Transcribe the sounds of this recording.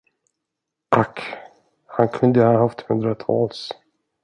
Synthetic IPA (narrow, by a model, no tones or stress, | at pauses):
ʔak | hankʰɵnd̪əhɑhaft̪hɵnd̪ɾat̪ʰɑ̰ːls